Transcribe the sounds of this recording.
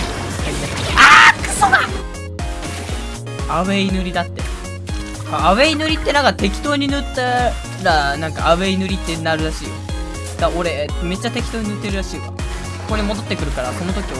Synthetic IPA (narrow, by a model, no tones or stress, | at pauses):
aiaakasoɡa | aβeinɯɾʲid̪at̪ːe̞̰ | aːβeinɯɾʲit̪ːe̞nãŋkt̪e̞kʲi̥t̪o̞ːɲ̟inɯ̟t̪ːa | ɾanãŋkaːβeinɯ̟ɾʲit̪ːe̞naɾɯ̟ɾaɕiː | d̪̥ao̞ɾe̞me̞t͡ɕːat̪e̞kʲi̥t̪oːɲ̟inɯ̟t̪ːe̞ɾɯ̟ɾaɕiːɡa̰ | ko̞ɾemo̞d̪o̞t̪ːekɯ̟ɾɯ̟kaɾaso̞no̞t̪okʲia